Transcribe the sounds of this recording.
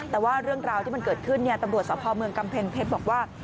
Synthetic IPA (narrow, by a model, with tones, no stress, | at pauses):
t̪ɛː˨˩waː˥˩ɾɯ˥˩əŋɾaː˧wt̪ʰiː˥˩ma˧nkɤː˨˩t̪̚kʰɯ˥˩nːi˥˩ət̪a˧mɾu˨˩t̪̚sɔː˩˦˥pʰɔː˧mɯ˧əŋka˧mpʰe˧npʰeː˦˥t̪̚bɔː˨˩k̚waː˥˩